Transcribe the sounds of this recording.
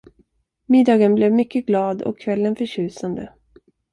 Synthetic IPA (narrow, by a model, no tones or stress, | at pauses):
mɪd̪ːɑːɡənblɛvmʏkːəɡlɑːd̪ɔ̰kʰːvɛlːənfœɕʉ̟ːsand̪ə̰